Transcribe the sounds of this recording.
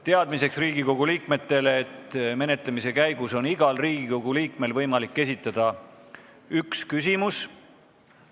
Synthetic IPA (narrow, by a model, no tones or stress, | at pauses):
t̪eɑd̪mise̞ksriːɡ̥iko̞ɡ̥uliːkme̞t̪ːˑe̞leːt̪ːme̞ne̞t̪lemise̞kæjɡ̥uso̞niɡ̥ɑlriːɡ̥iko̞ɡ̥uliːkme̞lvɤjmɑlikːe̞s̬it̪ːˑɑd̪̥ɑ | ykskysimus